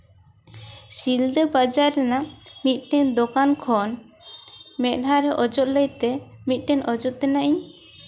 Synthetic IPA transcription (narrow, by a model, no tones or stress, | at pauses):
sild̪ɛbad͡ʒaɾːɛnamit̪̚ˀʈɛɲd̪ɔkankʰɔn | mɛʔ̪̚ˀɖʱaɾɛʔɔd͡ʒɔt̪̚ləjt̪ɛ | mit̪̚ˀʈɛɲʔɔd͡ʒɔt̪̚t̪ɛnaʔiɲ